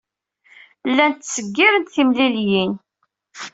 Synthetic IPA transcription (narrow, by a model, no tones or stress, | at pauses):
lːænt̪ːsəɡːiɾənt̪θimliljin